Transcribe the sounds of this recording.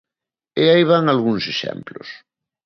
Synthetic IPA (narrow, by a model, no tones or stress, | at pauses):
eaiβ̞aŋalɣuŋseʃɛ̰mplo̰s